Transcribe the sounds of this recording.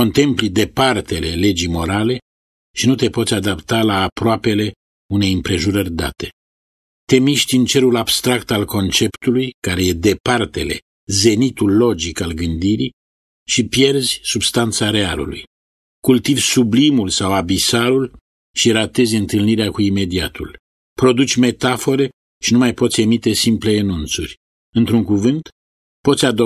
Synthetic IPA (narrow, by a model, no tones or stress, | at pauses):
ko̞nt̪e̞mplid̪e̞part̪e̞le̞le̞d͡ʒimo̞ɾale̞ | ʃinut̪e̞po̞t̪sʲad̪apt̪alaːpɾoape̞le̞ | une̞jɨmpɾe̞ʒuɾərʲd̪a̰t̪e̞̥ | t̪e̞miʃt̪ʲɨnt͡ʃe̞ɾulabst̪ɾakt̪alko̞nt͡ʃe̞pt̪ulujkaɾe̞je̞d̪e̞part̪e̞le̞̰ | ze̞nit̪ulːo̞d͡ʒikalɡɨnd̪iɾi | ʃipje̞rzʲsubst̪ant̪saɾe̞alṵlṵj | kult̪ivʲsublimulsawabisaɾul | ʃiɾat̪e̞zʲɨnt̪ɨlniɾeakuime̞d̪iat̪ṵl | pɾo̞d̪ut͡ʃʲme̞t̪afo̞ɾe̞ | ʃinumajpot̪sʲe̞mit̪e̞simple̞ːnunt̪sṵrʲ | ɨnt̪ɾuŋkuvɨnt̪ | po̞t̪sʲad̪o